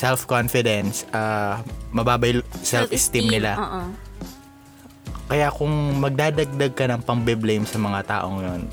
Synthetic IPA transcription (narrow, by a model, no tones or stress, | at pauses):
sɛlfkonfɪd̪ɛnsɐmɐbaːbɐjsɛlfɪst̪imnɪlaʔ | kɐjakʊŋmɐɡ̚d̪aːd̪ɐɡ̚d̪ɐɡ̚kɐnɐŋpɐŋbɪblejmsɐmɐŋat̪a̰ːʔoŋjon